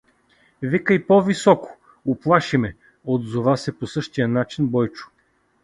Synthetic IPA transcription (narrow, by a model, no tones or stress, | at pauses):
vikəjpɔvisɔkʊ̥ | oplˠaʃimɛ | od̪zovasɛposɤʃt̪ijənat͡ʃinbɔjt͡ʃʊ̥